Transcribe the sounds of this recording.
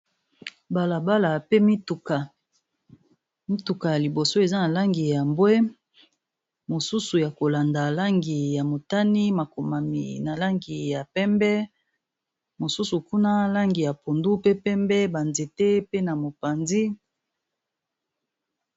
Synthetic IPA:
ba˨la˨ba˦la˨pe˦mi˦tu˨ka˨ | mi˦tu˨ka˨ja˨li˨bo˨so˦e˨za˦na˨la˦ŋɡi˨ja˨mbwe˦ | mo˨su˦su˨ja˨ko˨la˨nda˨la˦ŋɡi˨ja˨mo˨ta˦ni˦ma˨ko˨ma˨mḭ˨na˨la˦ŋɡi˨ja˨pɛ˦mbɛ˦ | mo˨su˦su˨ku˦na˦la˦ŋɡi˨ja˨po˨ndu˦pe˦pɛ˦mbɛ˦ba˨nze˨te˦pe˦na˨mo˨pa˨nzi˦

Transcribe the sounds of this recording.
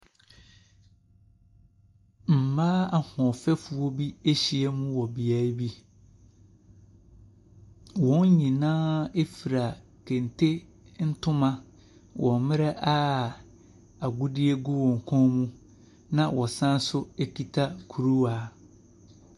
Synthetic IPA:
m̩˨maː˦a˨hɔ̃˨fɛ˦fu˨ɔ˦bi˦e˦ɕi˨e˦mũ˦wɔ˨bi˨a˨˦bi˦ | wɔ̃˨˦n˦ɲĩ˨nãː˦e˦fi˨ɾa˨ | kʰẽ˨ntʰe˦n̩˦tʰʊ̃˦mã˦ | wʔɔ̃˨mɪ̃˦ɾɛ˦ʔa˦ | a˨ɡu˦di˦e˦ɡʊ˦wɔ̃˨ŋ̩˨kʰɔ̃˦mũ˦ | nã˦˨wɔ˨sã˦n˦sʊ˦e˦kʰi˨tʰa˦kʰu˨ɾu˦waː˨˦

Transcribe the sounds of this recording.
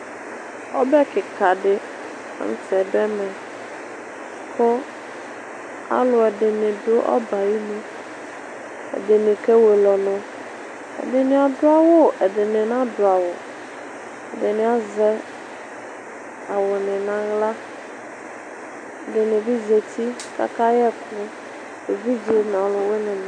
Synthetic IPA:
ɔ˦bɛ˦kʰɪ˨kʰa˨dɪ˦ | a̰˦n̩˦tʰɛ˨dɛ˦mɛ̃˨ | kʰʊ˦ | a̰˨lʊ˨ɛ˨dɪ˨nɪ̃˨dʊ˦ʔɔ̰˦ba˨ji˦lu˦ | ɛ̰˨dɪ˨nɪ̃˨kʰɛ˦we˨lɔ˨nʊ̃˦ | ɛ̰˨ɖɪ˨nẽ˦a˨ɖʊ˦a˦wo˦˨ʔɛ˨ɖɪ˨nɪ̃˨nã˦ɖo˨a˨wo˨ | ɛ̰˨dɪ˨nẽ˨˦a˦zɛ˦ | a˨wʊ˨nɪ̃˨nã˦ɣla˦ | ɛ˨ɖɪ˨nɪ̃˨vi˦ze˨t̪i˦ | ka̰˦ka˦jɛ˦kʊ˦ | e˨vi˦di˨˦o˨n˨a˨lʊ˨we˦nɪ̃˨ñ˨

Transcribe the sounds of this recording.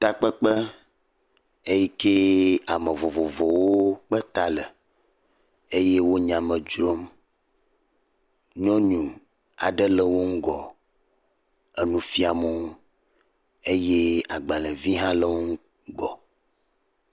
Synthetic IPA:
t̪a˦k͡pə˦k͡pə˦ | e˦ji˦ke˦a˨mə̃˨vɔ˨vɔ˨vɔ˨wo˦k͡pə˦t̪a˨lə˨ | e˦je˦wo˦ɲã˨mə̃˨d͡ʒɾo˦m | ɲɔ̃˦ɲũ˨ | a̰˨ɖə˦lə˦wo˦ŋ̩˦ɡɔ˨ | ə˨nũ˨fi˦a˨mo˦ | e˦je˦a˨ɡ͡ba˨lə˨vi˦ɦã˦lə˦wo˦ŋ̩˦ | ɡɔ˨

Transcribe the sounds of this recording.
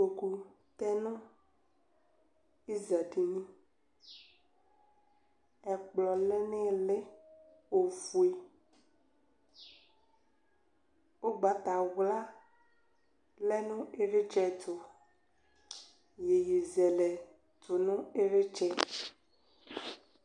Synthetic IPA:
o˨ku˨ | t̪ɛ˦nʊ̃˦ | i˦za˨di˨nĩ˦ | ɛ˨k͡plɔ˨lɛ˦nẽ˦˨le˦ | o˨vu˨e˨ | wo˦ɡ͡ba˨t̪a˨wla˦ | lɛ˦nũ˦e˦ɾe˦t͡ʃɛ˦t̪ʰo˨ | je˨ji˨zɛ˨lɛ˨ | to˨nũ˦e˦ɾe˦t͡ʃɛ˦

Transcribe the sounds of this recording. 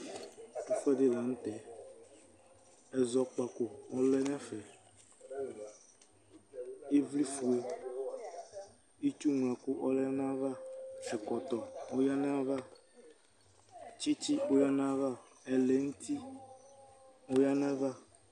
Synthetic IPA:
tu˦fɛ˦de˦la˨ŋ̩̃˦t̪ɛ˨ | ɛ˨zɔ˨k͡pa˨ko˨ɔ˦lɛ˦nɛ̃˦fɛ˨ | e˦vli˦fu˨e˦ | i˦t͡ʃu˦ŋ˨ã˨ku˦ʔɔ˦lɛ˦n˦ã˦va˦ɛ˨kɔ˨t̪ɔ˨o˦ja˦nɛ̃˦a˦va˦ | t͡ʃi˦t͡ʃi˦o˦ja˦n˦ã˦va˦ | ɛ˨lɛ˨ŋũ˦t̪ʰi˦ | o˦ja˦nɛ̃˦va˦

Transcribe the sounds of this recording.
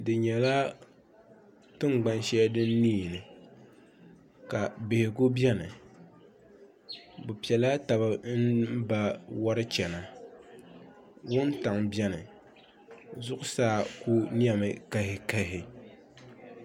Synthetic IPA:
dɨ˨ɲɛ˨la˦ | tɨ˦ŋɡ͡ba˦nʃɛ˦dɨ˦nː˦iː˦˨nɨ˨ | ka˨be˨hɪ˨ɡʊ˦bɛ˦nɨ˨ | bʊ˨pi˨ɛ˨la˦ta˨bɨ˦n̩˦ba˦wa˦ɾɨ˦t͡ʃɛ˨na˨ | wʊ˦n˦ta˨ŋbɛ˦nɨ˨ | zʊ˦ʔʊ˦saː˦˨ku˦ni˦ɛ˨mɨ˨ka˦hɪ˨ka˦ɦɪ˨

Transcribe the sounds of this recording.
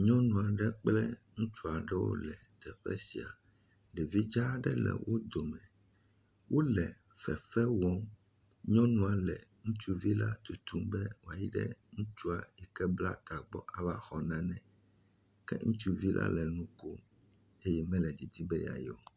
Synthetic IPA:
ɲɔ̃˦nũ˨a˨ɖɛ˦k͡plɛ˦ŋũ˦t͡ʃu˦a˨ɖɛ˦wo̰˦lɛ˨t̪ɛ˨ɸɛ̰˦si˨a˨ | ɖɛ˨vi˦d͡ʒa˦ɖɛ˦lɛ̰˨wʔo˦d̪o˨mɛ̃˨ | wo˦lɛ˨ | fɛ˨fɛ˦wɔ˦m | ɲɔ̃˦nũ˦a˨lɛ˨ŋũ˦t͡ʃu˦vi˦la˦t̪u˨t̪u˦mbɛ˦wo˨a˨ji˦ɖɛ̰˦ŋũ˦t͡ʃu˦a˨jɛ˨kɛ˦bla̰˦t̪a˨ɡ͡bɔ˦ʔa˨va˦xɔ˨nã˦nɛ̃˨ | kɛ̰˦ŋũ˦t͡ʃu˦vi˦lʔa̰˦lɛ˨nũ˦ko˦ | e˦jɛ˦mɛ̃˦lɛ˨d͡ʑi˨d̪i˦bɛ˦ja̰˨jo˦˨

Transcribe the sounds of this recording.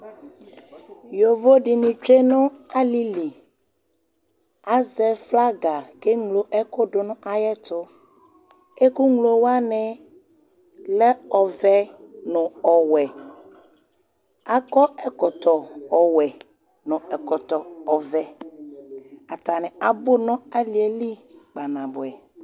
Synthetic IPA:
jo˨vo˦ɖi˨nĩ˨t͡ʃɾe˦nɔ̃˦a˦li˦li˨ | a˦zɛ˨fla˦ɡa˨ke˦ŋlo˨ʔɛ˦ko˦ɖo˨nɔ̃˦ʔa˨jɛ˦t̪ʊ˦ | e˦ku˦ŋlo˨wa˦nɛ̃˨ | lɛ˦ɔ˨vɛ˦nɔ̃˨ɔ˨wɛ˨ | a˨kɔ˦ɛ˨kɔ˨t̪ɔ˨ɔ˨wɛ˨ | nɔ̃˨ɛ˨kɔ˨t̪ɔ˨ɔ˨vɛ˨ | a˨t̪a˨nɛ̃˨a˨bo˦nɔ̃˦a˦li˨˦ɛ˨li˦ɡ͡ba˨nã˨bʊ˨ɛ˨

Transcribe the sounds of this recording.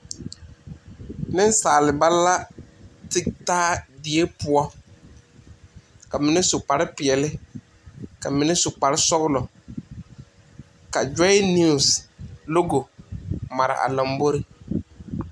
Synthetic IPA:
nɪ˦n˦saː˨lɪ˨ba˦lːa˦tɪ˦taː˦dɪ˨e˦pʊ˦ɔ˦ | ka˨mɪ˨nɛ˦sʊ˨k͡pa˨ɾɪ˦pɪ˨ɛ˨lɪ˦ | ka˨mɪ˨nɛ˦sʊ˨k͡pa˨ɾɪ˦sɔ˦ɣlɔ˨ | ka˨d͡ʒɛ˦ɪ˦ni˦˨slo˦ɡo˨ma˨ɾɪ̰˨ʔa̰˨lɔ˨mbo˦ɾɪ˦

